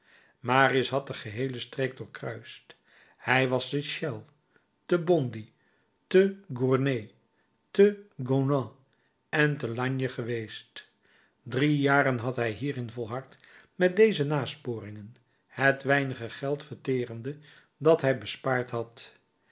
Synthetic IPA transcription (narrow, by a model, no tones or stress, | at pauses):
maːriəsɦɑt̚dəχəɦejləstreɡ̚dʊːɹkrœɥst | hɛjʋɑstəʃɛlˠ | təbɔndi | təɡuɹne | təɡonɑ̃ | ɛntəlɑɲjəχəʋejst | drijaːrənɦɑtɦɛjɦiːrɪnvɔlˠɦɑɹt | mɛt̚dejzənaːspʊːɾɪŋən | hətʋɛjnəχəχɛlˠtfəɹtɪːrəndə | dɑtɦɛjbəspaːɹtɦɑt